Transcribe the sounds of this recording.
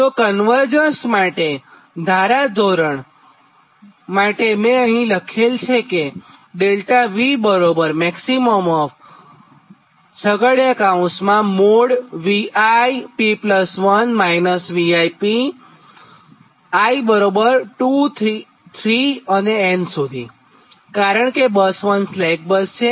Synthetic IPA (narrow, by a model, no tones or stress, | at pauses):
t̪okənʋəɾd͡ʒənsmaʈe | d̪ʱaɾad͡ʒoɾəɳ | maʈemẽəɦĩləkʰelt͡ʃʰeke | ɖelʈaʋibəɾobəɾmɛksimomɔf | səɡəɽjakaũsmãmoɽʋiajpipləsʋənmajnəsʋiajpi | aibəɾobəɾʈut̪ʰ | t̪ʰɾiəneɛnsud̪ʱḭ | kaɾəɳkebəsʋənslɛjk̚bəst͡ʃʰe